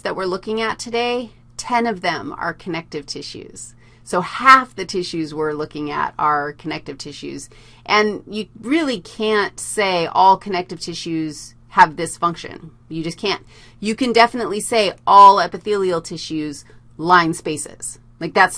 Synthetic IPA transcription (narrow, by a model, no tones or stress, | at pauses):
zðɨt̚wəɹlʊkɪ̃ŋɨtʰɨdeɪ | tʰɛ̃nʌvðɨ̃mə̰˞kʰɨnɛk̚tɨv̥tʰɪʃʉ̰z̥ | soʊhæfðɨtʰɪʃʉzwɪɹlʊkɪ̃ŋɨ̰ɾə˞kʰɨnɛk̚tɨv̥tʰɪʃʉ̰z̥ | ʔɨ̃njɨɹɪlˠikʰæ̃ntseɪʔɔlˠkʰɨnɛk̚tɨv̥tʰɪʃʉz̥ | ɨvðɪsfʌ̃ŋkʃɨ̰̃n | jɨd͡ʒʌskʰæ̃n | jɨkɨ̃ndɛfənətˡliseɪʔɔlˠɛpɨθilˠil̩ˠtʰɪʃʉz | lãɪ̃nspeɪsɪ̰z̥ | laɪk̚ðæts